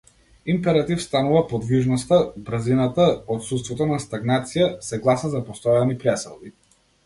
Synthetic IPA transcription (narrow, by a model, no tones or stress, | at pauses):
impɛɾat̪ifst̪anuvapɔd̪viʒnɔst̪abɾzinat̪aɔt̪sut̪st̪vɔt̪ɔnast̪aɡnat̪sijasɛɡlˠasnazapɔst̪ɔjanipɾɛsɛ̰lˠbi